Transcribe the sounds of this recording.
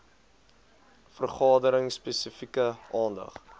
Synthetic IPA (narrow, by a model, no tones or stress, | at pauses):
fərχɑːdəɾəŋspɛsəfikəʔɑːndɐ̰χ